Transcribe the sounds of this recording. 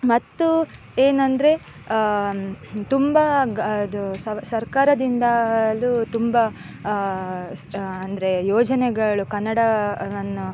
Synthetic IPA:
mɐt̪ːu | eːnɐnd̪ɐɾe̞ | t̪umbɐɡd̪ussɐɾkaːɾɐd̪ind̪ɐlut̪umbɐ | ɐnd̪ɐɾe̞joːd͡ʒɐnɛɡɐɭukɐnːɐɽɐʋɐnːu

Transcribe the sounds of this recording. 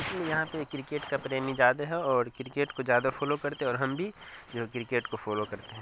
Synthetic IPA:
ɪsliejɐɦãpekːɾɪkeːʈkapɾeːmid͡ʒaːd̪aɦɛɔːɾkɾɪkeːʈkozjaːd̪afʰɔːlokɐɾt̪ẽɔːɾɦɐmbʱid͡ʒoːkɾɪkeːʈkofɔːlokɐɾt̪eɦɛ̃ː

